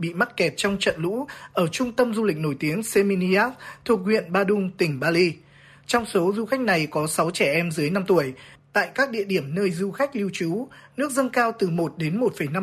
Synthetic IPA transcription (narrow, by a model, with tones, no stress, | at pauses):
ɓḭ˧˨ma˦˥t̚kɛ˨˩p̚t͡ɕɔ˧wŋ͡mt͡ɕə̰˧˨nlṵ˧˥ʔəː˧˩t͡ɕʊ˧ŋ͡mt̪ə˧mzu˧lï˨˩k̟̚no˧˩jt̪i˨˦əŋse˧mi˧ni˧ʔaː˦˥kt̪ʰu˨˩ək̚hwḭ˧˨ənɓaː˧ɗʊ˧ŋ͡mt̪ï˨˩ŋ̟ɓaː˧li˧ | t͡ɕɔ˧wŋ͡mso˨˦zu˧xa˦˥k̚na˨˩jkɔ˨˦sa˨˦wt͡ɕɛ˧˩ʔɛ˧mzɨ˨˦jna˧mt̪u˧˩əjt̪a̰ː˧˨jkaː˦˥k̚ɗḭ˧˨əɗi˧˩əmnəː˧jzu˧xa˦˥jk̟̚li˧əwt͡ɕu˨˦nɨ˦˥ək̚zə˧nkaː˧wt̪ɨ˨˩mo˨˩t̚ɗe˨˦nmo˨˩t̚fə˧˩jna˧